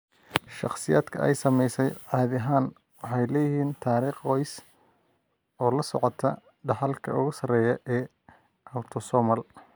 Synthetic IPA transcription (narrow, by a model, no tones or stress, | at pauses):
ʃɑ̰χsɪjaːd̪̥kʰɐ̰ʔɛ̰jsɐmɛjsɛjʕɑːðɐɦaːn | wɑħɑjlɛːjɪhiːnt̪ʰaːɾiːχɔjs | ɔːlɐsɔ̰ʕɔt̪ʰɐ | ɖɑħɑlkʰɐ̰ʊɣʊsɐrɛːjɐʔɛː | ɐwt̪ʰɔsɔːmɐl